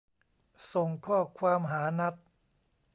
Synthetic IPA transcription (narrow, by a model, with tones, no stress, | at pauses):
so˨˩ŋkʰɔː˥˩kʰwaː˧mɦaː˩˦na˦˥t̪̚